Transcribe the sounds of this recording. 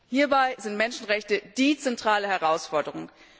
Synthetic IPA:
hiːɐbaɪzɪntmɛnʃn̩ʁɛçtəd̥iːt͡sɛntʁ̥aːləhɛʁaʊsfɔɐdəʁʊŋ

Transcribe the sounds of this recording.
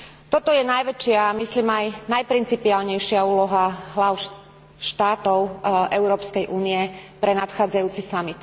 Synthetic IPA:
t̪ɔt̪ɔjɛnajʋɛt͡ʃɪaːmisliːmajnajpɾint͡sipiaːlɲɛjʃɪauːlɔɦaɦlaʊʃ | ʃt̪aːt̪ɔʊʔɛʊɾɔːpskɛjʔuːniɛpɾɛnat̪xaːd͡zajuːt͡sisamit̪

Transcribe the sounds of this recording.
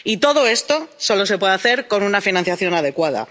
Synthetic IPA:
it̪o̞ðo̞e̞st̪o̞so̞lo̞se̞pwe̞ðaθe̞ɾko̞nunafinãn̟θjaθjo̞naðe̞kwaða̰

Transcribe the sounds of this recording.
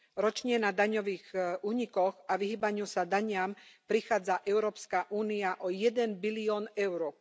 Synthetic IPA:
ɾɔt͡ʃɲɛnad̪aɲɔʋiːɣuːɲikɔɣaʋiɦiːbaɲusad̪aɲɪampɾixaːd͡zaʔɛʊɾɔːpskaʔuːniaʔɔjɛd̪ɛnbiliɔːnɛʊɾɔ

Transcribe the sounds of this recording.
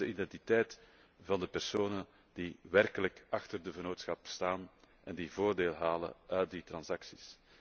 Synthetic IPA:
əʔidɛntitɛːt | vɑndəpɛrsoːnə | d̥iʋɛrkələkɑxtərdəɣənoːtsxɑpstaːn | ɛndivoːrdeːlˠɦaːlə̰ʔœːt̚ditrɑnsɑksi̥s

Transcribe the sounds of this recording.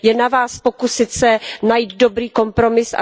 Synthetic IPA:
jɛnavaːspo̞kusɪt̪sɛnajiːd̪dobɾiːko̞mpɾo̞mɪsʔa̰

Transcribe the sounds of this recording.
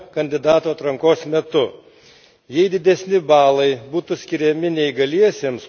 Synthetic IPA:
kɐnʲd̪ʲɪd̪ɑːt̪oːɐt̪ɾɐŋkoːsmʲɛt̪ʊ | jɛɪd̪ʲɪd̪ʲɛsʲnʲɪbɑːlˠɐɪbuːt̪ʊsʲkʲɪɾʲɛmʲɪnʲɛɪɡɐlʲiɛsʲeːms

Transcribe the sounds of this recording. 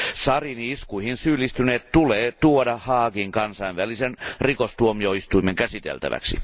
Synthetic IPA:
sɑriniiskuihinsyːlːist̪yneːt̪t̪uleːt̪uodɑhɑːɡiŋkɑnsɑinʋælisenrikost̪uomioist̪uimeŋkæsit̪ḛlt̪æ̰ʋæ̰ksḭ

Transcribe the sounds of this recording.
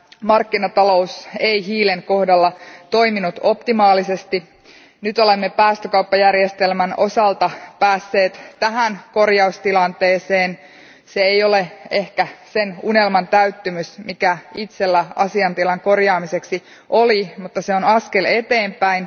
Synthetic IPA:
mɑrkːinɑt̪ɑlo̞useiɦiːleŋko̞hdɑlːɑt̪o̞iminut̪o̞pt̪imɑːlisest̪i | nyt̪o̞lemːepæːst̪økɑupːɑjærjest̪elmæno̞sɑlt̪ɑpæːsːe̞ːt̪t̪ːæɦænko̞rjɑust̪ilɑnt̪e̞ːseːn | seejo̞leehkæsenunelmɑnt̪æyt̪ːymysmikæit̪selːæɑ̰siɑnt̪ilɑŋko̞rjɑːmiseksi | ʔolimut̪ːɑseonɑske̞le̞t̪eːmpæin

